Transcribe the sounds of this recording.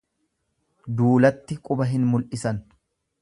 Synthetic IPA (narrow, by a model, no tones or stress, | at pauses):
d̪uːlɐt̪ːɪkʼʊbɐɦɪnmʊlʔɪsɐn